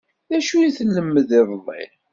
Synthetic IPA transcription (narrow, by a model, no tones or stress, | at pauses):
ðæʃujiθəlːəmːəðɪðˤlˤːɪ̰